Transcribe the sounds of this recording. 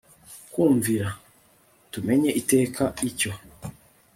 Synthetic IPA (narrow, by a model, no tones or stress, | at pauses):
kuːɱviɾa | tume̞ɲe̞ʔite̞ːkʰaico̞